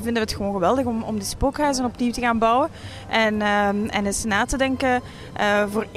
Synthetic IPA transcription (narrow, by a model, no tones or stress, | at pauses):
vɪndəʋəətxəʋonɣəʋɛlˠdəɣɔmɔ̰mdispokɦœɥzənɔpniwtəɣaːnbɑwən | ʔɛnəɛ̰nɪsnaːtədɛŋkə | ʔəvoːr